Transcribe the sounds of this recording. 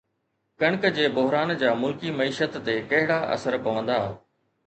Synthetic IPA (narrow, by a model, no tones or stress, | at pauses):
kɐɽ̃kd͡ʑeːbʊɦɾaːnd͡ʑaːmʊlkimɐiːʃət̪ːekɐɦɪɽaʔɐ̰səɾpɐʋə̃nd̪a